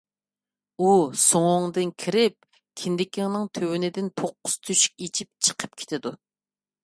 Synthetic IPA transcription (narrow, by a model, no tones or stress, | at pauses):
usoŋʊŋd̪ɨnkʲʰiɾɪp̚ | kʲʰind̪ɪkʲiŋnɨŋt̪ʰøwɪnɪd̪ɪnpʰoqːʊ̥st̪ʰyʃi̥k̚ʲet͡ʃʰip̚t͡ʃʰə̥qʰə̥p̚kʲʰe̥t̪ʰɪd̪u